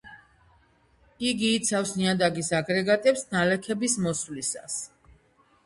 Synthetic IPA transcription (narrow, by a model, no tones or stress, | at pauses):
iɡiːt̪sʰafsniad̪aɡisaɡɾɛɡat̪ʼɛpsnalɛkʰɛbismɔswlisa̰s